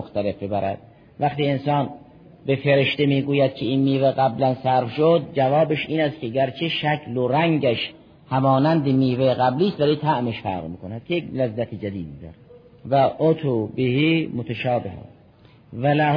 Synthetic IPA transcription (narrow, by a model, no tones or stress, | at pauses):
oxt̪ælefbebæɾæ̰d̪̥̚ | væxt̪iːensɑːn | befeɾeʃt̪emiːɡuːjæd̪̚kʰeiːnmiːveɣæblænsæɾfʃod̪̚d͡ʒævɒːbeʃʔiːnæst̪kʰʲeɡæɾt͡ʃʰeʃækʰloɾæŋɟæʃ | hæmɒːnænd̪emiːveɣæbliːst̪væliːt̪ʰæʔmeʃfæ̰ɾʁmiːkʰonæd̪̥̚kʲʰejeklæzːæt̪ʰed͡ʒæd̪iːd̪̚id̪ɒ̰ːɾ | væʔot̪ʰobehiːmot̪ʰæʃɒːbeɦæ̰s | vælæːh